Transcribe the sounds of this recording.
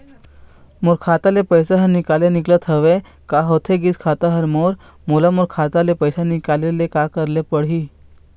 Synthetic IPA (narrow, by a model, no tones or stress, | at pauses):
muɾkʰat̪alepəjsaɦəɾnikaleniklət̪ʰəʋe | kaɦot̪ʰeɡiːt͡skʰat̪əɦəɾmoɾ | mulamuɾkʰat̪alepəjsanikalelekakəɾlepəɽɦiː